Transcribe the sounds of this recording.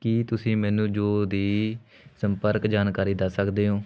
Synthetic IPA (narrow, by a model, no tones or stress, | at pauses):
kiːt̪ʊsĩːmɛːnũːd͡ʒoːd̪iː | səmpəɾkd͡ʒaːnkaːɾiːd̪əsːəkd̪eːɦoː